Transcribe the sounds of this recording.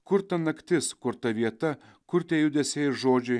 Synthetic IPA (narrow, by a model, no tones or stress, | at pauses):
kʊɾt̪ɐnɐkt̪ʲɪskʊɾt̪ɐʋʲiɛt̪ɐ | kʲʰʊɾt̪ʲejud̪ʲesʲejʒoːd͡ʒʊj